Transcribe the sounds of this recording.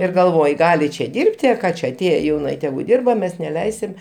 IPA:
ɪr ɡɐlˠˈʋoːj ˈɡɑːlʲɪ t͡ʃʲɛ ˈdʲɪrʲpʲtʲɪ ɐ ˈkɑː t͡ʃʲɛ ɐˈtʲeːjɛ jɛʊˈnɐ ɪ ˈtʲæːɡʊ ˈdʲɪrbɐ ˈmʲɛs nʲɛˈlʲɛɪsʲɪm

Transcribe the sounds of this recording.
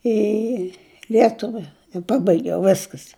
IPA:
iː ˈlʲiɛtʊʋʲɛ ɪ ˈpɑːbɐɪɡʲɛʊ ˈʋʲæːskɐs

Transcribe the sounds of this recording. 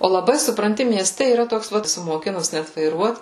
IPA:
oː lˠɐˈbɐɪ sʊprɐnʲˈtʲɪ mʲiɛˈsʲtʲɛ iːˈrɐ ˈtoːks ˈʋɐt moːˈkʲɪnʊs ˈnʲɛt ʋɐɪˈruɔt

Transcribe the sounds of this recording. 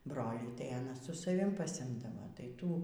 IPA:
ˈbroːlʲiː tɐɪ ɐˈnɐ sʊ sɐˈʋʲɪm pɐsʲɪˈɪmdɐʋɐ tɐɪ ˈtuː

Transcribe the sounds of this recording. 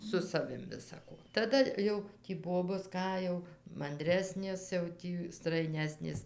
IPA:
sʊ sɐˈʋʲɪm ʋʲɪsɐˈkoː tɐˈdɐ jɛʊ tʲiː ˈboːboːs ˈkɑː jɛʊ mɐnʲˈdʲrʲæːsʲnʲeːs jɛʊ ˈtʲiː strɐɪˈnʲæːsʲnʲeːs

